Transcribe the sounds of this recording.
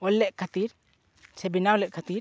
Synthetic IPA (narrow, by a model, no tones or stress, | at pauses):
ɔlːɛʔ̚kʰat̪iɾ | sʰɛbinaɔlɛʔ̚kʰat̪iɾ